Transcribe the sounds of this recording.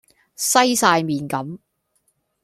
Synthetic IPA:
sɐ˥jsaː˧jmiː˨nkɐ˨˥m

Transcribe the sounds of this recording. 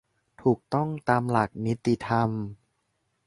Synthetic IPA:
t̪ʰuː˨˩k̚t̪ɔ˥˩ŋt̪aː˧mla˨˩k̚ni˦˥t̪ːi˨t̪ʰa˧m

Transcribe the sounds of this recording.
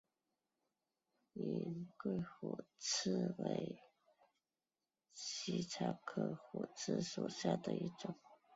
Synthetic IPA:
i˨˩kwe˥˩ɪxwɔ˨˩t͡s̩ʰ˥˩we˧˥ɪ | t͡ɕt͡ɕʰi˧˥t͡sʰa˧˥kʰɤ˥˩xwɔ˨˩t͡sʰɹ̩˥˩ʂo˨˩ɕja˥˩d̪ə˨˧i˥˩ʈ͡ʂʊ˨˩˦ŋ

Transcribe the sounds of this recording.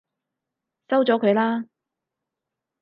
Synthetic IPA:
sɐ˥wt͡sɔː˨˥kʰɵ˨˧ɥlaː˥

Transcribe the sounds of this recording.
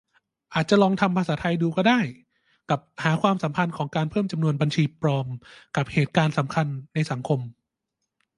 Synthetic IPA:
ʔaː˨˩t̪̚t͡ɕa˨˩lɔː˧ŋt̪ʰa˧mpʰa˧saː˩˦t̪ʰa˧jduː˧kɔː˥˩daː˥˩j | ka˨˩p̚haː˩˦kʰwaː˧msa˩˦mpʰa˧nkʰɔː˩˦ŋkaː˧npʰɤː˥˩mt͡ɕa˧mnu˧ənba˧nt͡ɕʰiː˧pɾɔː˧mka˨˩p̚heː˨˩t̪̚kaː˧nsa˩˦mkʰa˧nːa˧jsa˩˦ŋkʰo˧m

